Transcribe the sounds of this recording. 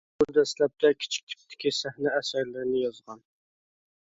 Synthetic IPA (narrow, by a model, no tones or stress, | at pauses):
buɾd̪ɛslɛp̚t̪ʰɛkʲʰɪ̥t͡ʃʰi̥k̚ʲt̪ʰɪ̥k̚ʲt̪ʰɪ̥kʲisæhnɛæsæɾlɪɾɪnɪjɑzʁɑn